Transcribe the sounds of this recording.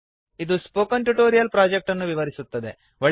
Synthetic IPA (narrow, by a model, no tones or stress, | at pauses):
id̪uspoːkɐɳʈuʈoːɾijɐlpɾaːd͡ʒek̚ʈɐnːuʋiʋɐɾisut̪ːɐd̪e̞ | ʋɐɭ